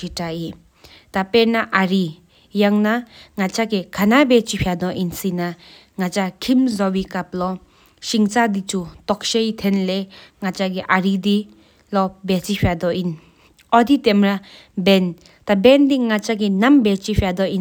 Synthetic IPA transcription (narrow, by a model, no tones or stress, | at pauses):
itai | tapenaʔaɾi | jaŋnaŋat͡ʃaɡekʰanabet͡ʃipʰijad̪ɔʔinsina | ŋat͡ʃakʰimzɔwikaplɔ | siŋt͡ʃadit͡ʃutɔk̚ʃejt̪ʰenleŋat͡ʃaɡiʔaɾidi | lɔbet͡ʃipʰijad̪ɔin | ɔdit̪emɾa | ben | t̪abendiŋat͡ʃaɡinambet͡ʃipʰjadɔi